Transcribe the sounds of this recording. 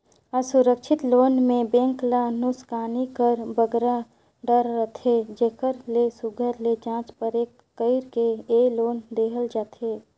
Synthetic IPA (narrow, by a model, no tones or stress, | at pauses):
əsʊɾəkʃɪt̪loːnmẽbẽːŋklanʊskaːnikəɾbəɡɾa | ɖəɾːət̪ʰed͡ʒekʰəɾlesʊɡʱəɾled͡ʒãːt͡ʃpəɾeːkːəɪɾkeeːloːnd̪eːɦəld͡ʒaːt̪ʰeː